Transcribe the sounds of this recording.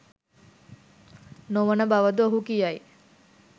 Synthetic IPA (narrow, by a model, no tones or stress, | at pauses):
noʋənəbaʋəd̪uoɦukijaj